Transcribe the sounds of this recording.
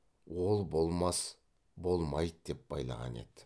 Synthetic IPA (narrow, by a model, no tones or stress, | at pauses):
wo̞lˠbo̞lˠmɑs | bo̞lˠmɑj̪d̪̥e̞p̚bɑjlˠɑ̰ʁɑ̰ne̞̰d̪̥ɪ̥